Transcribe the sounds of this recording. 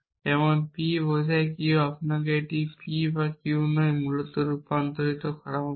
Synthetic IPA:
ɛmɔnpibosajkiuapnakeeʈipibakiunojmulɔt̪ɔɾupant̪ɔɾit̪ɔkʰaɽama

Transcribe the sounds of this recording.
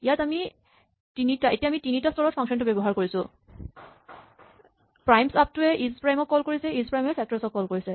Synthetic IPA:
ijatami | tinitaʔetiaːmitinitastɔɹɔtpʰɔŋsɔntʊbebɔɦaɹkoɹisʊ̃ | pɹajmsap̚tʊɛʔizpɹajmɔkːɔlkoɹisɛizpɹajmɛpʰɛk̚tɔɹɛsɔkːɔlkoɹisɛ

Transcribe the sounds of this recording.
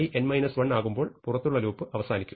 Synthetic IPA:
iʔe̞nmɐjnɐsʋɐɳːaːɣumbo̞ːɭpurɐt̪ːuɭːɐluːpːɨʔɐʋɐsaːnikʲːu̥

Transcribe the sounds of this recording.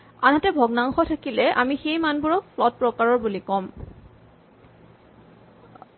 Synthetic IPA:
anɦatɛbʱɔɡnaŋxɔtʰakilɛʔamixejmanbuɹɔflɔt̚pɹɔkaɹɔɹbulikɔm

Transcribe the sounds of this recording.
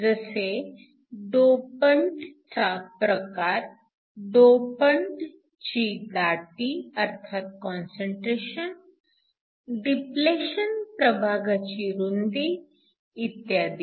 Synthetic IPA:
d͡ʒɐse | ɖoːpəɳɖtapɾɐkaːɾ | ɖoːpəɳɖ | t͡ʃid̪aːʈiɐɾt̪ʰaːt̪̚kɔːnsə̃ɳʈɾeːʃən | ɖipleːʃənpɾɐbʱaːɡət͡ʃiɾund̪iː | t̪jaːd̪i

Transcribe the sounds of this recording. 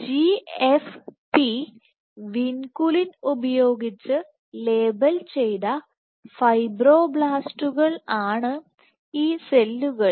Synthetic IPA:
d͡ʑiefpi | ʋinkulinubɐjo̞ːɡit͡ɕːɨ | le̞ːbɐlt͡ɕe̞jt̪ɐ | fɐjbro̞ːbɭaːsʈuɣɐɭaːɳɨ | iːse̞lːuɣɐɭ

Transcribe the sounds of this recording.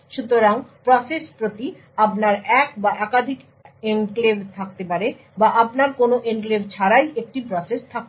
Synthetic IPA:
ʃut̪oɾaŋpɾɔsespɾot̪i | apnaɾɛkbaʔɛkad̪ʱik | enklebt̪ʰak̚t̪epaɾe | baʔapnaɾkonoʔenklebt͡ɕʰaɾajʔek̚ʈipɾɔsest̪ʰak̚t̪e

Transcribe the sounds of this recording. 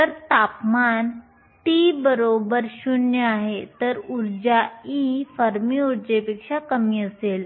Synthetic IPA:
t̪əɾt̪apman | ʈibəɾobəɾɕuɳjəaɦet̪əɾuɾd͡ʑaifəɾmiuɾd͡ʑepekʂakəmiːəsel

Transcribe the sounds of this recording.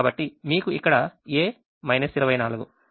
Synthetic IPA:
bɐʈːimiːkuikːɐɽɐeː | mɐjnɐsiɾɐʋɐjnaːluɡu

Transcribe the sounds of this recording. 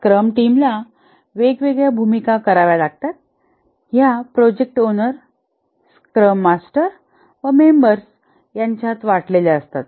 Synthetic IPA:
skɾəmʈimla | ʋeɡʋeɡɭjabʱumikakəɾaʋjalaɡ̚t̪at̪̚ | ɦjapɾɔd͡ʑek̚ʈonəɾ | skɾəmːasʈəɾ | ʋəmembəɾs | jaɲt͡ɕjat̪ʋaʈleleəst̪at̪

